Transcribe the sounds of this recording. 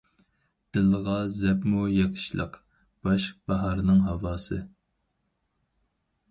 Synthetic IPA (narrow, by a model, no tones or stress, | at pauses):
d̪̥ɪlːəʁɑzɛpmujɑqʰə̥ʃlˠə̰q | b̥ɑʃq̚bɑɦɑɾnɨŋɦɑwɑːsɨ